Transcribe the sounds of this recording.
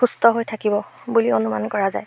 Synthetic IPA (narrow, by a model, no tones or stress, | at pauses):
xustɔɦojtʰakibɔbulionuma̰nkɔɹaza̰j